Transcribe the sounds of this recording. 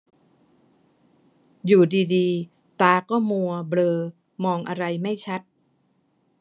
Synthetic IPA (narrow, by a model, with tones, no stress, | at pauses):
juː˨˩diː˧diː˧ | t̪aː˧kɔː˥˩mu˧ɐblɤː˧ | mɔː˧ŋʔa˧ɾa˧jma˥˩jt͡ɕʰa˦˥t̪̚